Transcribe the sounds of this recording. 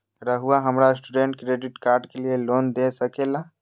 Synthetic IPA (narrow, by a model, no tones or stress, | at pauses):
ɾəɦʊaɦɐmɾaɪsʈuɖẽɳʈ̚kɾeːɖɪʈkaːɾɖkelieloːnd̪esɐkeːla